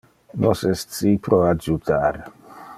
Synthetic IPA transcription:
nosessipɾoad͡ʒut̪aɾ

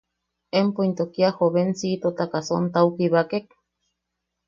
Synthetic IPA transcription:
empoint̪okiahoβensiːt̪ot̪akasont̪aukiβakek̚

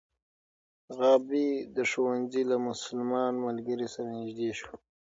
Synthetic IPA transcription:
ɣɑːbid̪əʂowanzilamʊsəlmɑːnmalɡəɾisaɾanɪʒd̪eːʃwa

